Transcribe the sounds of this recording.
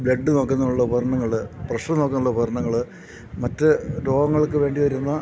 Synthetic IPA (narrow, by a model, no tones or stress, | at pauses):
bɭeɖːɨno̞ːkːɐnːɐuɭːɐubʱɐrɐɳɐŋːɐɭɨprɐʂʈɐnoːkːɐnːuɭːɐbɐɾɐɳɐŋːɐɭɨ | mɐtːɨɾo̞ːɡɐŋːɐɭkːɨʋe̞ːɳɖiʋɐɾunːɐ